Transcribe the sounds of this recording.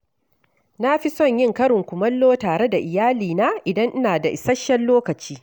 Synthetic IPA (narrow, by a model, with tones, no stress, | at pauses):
na˦ɸi˦sɔ˦˨ɲjɪ˦ŋkɐ˦ɽɪ˨ŋkʷʊ˨mɐ˦lːoː˦taː˨ɽe˦da˨ʔɪ˨jaː˦liː˨naː˦ʔɪ˨dɐ˦ŋʔɪ˦naː˨da˨ʔɪ˨sɐ˦ʃːɐ˦lloː˦kɐ˨t͡ʃiː˦